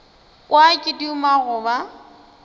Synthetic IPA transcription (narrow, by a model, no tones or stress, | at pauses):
kʼwakʼɪdiʊmaɣʊba